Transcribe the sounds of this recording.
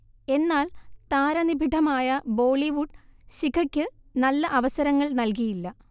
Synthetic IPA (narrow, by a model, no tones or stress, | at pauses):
e̞nːaːlt̪aːɾɐnibʱiʈʰɐmaːjɐbo̞ːɭiʋuɖɕikʰɐkʲːɨnɐlːɐʔɐʋɐsɐɾɐŋːɐɭnɐlk̬ijilːɐ